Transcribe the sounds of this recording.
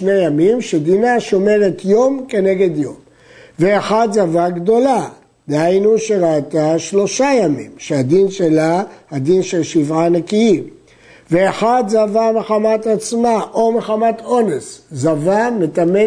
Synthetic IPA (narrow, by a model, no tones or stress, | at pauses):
ʃnejamimʃed̪inaʃo̞me̞ʁet̪jo̞mke̞ne̞ɡe̞d̪jo̞m | veaχad̪zavaɡd̪o̞la | d̪ehajnuʃeʁat̪aʃlo̞ʃajamimʃead̪inʃelahad̪inʃelʃivʕanekiim | veaχad̪zavameχamat̪at͡smaʔo̞meχamat̪ʰo̞neszavamet̪ame